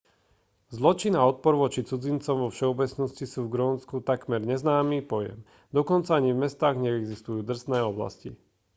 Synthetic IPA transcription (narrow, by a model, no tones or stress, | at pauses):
zlɔt͡ʃinaɔt̪̚pɔɾʋɔt͡ʃit͡sud͡zint͡sɔmʋɔfʃɛɔbɛt͡snɔscisuːvɡɾɔːnskut̪akmɛɾɲɛznaːmiːpɔjɛ̰m | d̪ɔkɔnt͡saaɲivmɛst̪aːɣɲɛɛɡzist̪ujuːd̪r̩st̪nɛːɔbla̰sci